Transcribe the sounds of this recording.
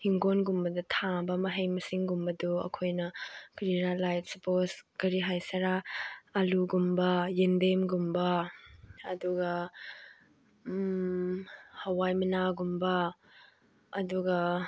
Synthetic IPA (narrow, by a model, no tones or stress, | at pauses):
hiŋɡonɡumbɐdɐtʰaŋbɐmɐɦɐjmɐsiŋɡumbɐduɐ̰kʰojnɐkɾiɾalajt̚suposkɐɾiɦajsɐɾaɐluɡumbɐjendemɡumbɐ | ɐduɡɐ | hɐwajmɐnaɡumbɐ | duɡɐ